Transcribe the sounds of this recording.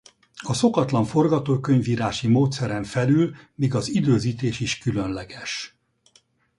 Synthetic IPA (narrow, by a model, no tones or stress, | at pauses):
ɒso̞kɒt̪lɒɱfo̞rɡɒt̪oːkøɲviːɾaːʃimoːt̪sɛɾɛɱfɛlylmiːɡɒzid̪øːziːt̪eːʃiʃkylønlɛɡɛʃ